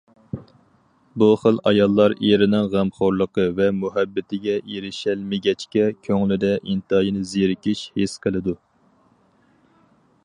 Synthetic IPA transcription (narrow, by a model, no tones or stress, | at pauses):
buχəlɑjɑlˠːɑɾeɾɪnɪŋʁæmχoɾlˠəqəvɛmuɦæbːɪt̪ʰɪɡʲɛeɾɪʃɛlmɪɡʲɛt͡ʃkʲɛkʲʰøŋlɪd̪ɛʔint̪ɑjinɨzeɾɪkʲiʃhesqʰəlˠɨd̪u